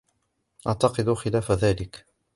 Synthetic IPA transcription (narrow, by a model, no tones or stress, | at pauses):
ʔɑʕt̪ɑqɨd̪ʊxɪlaːfaðaːlɪk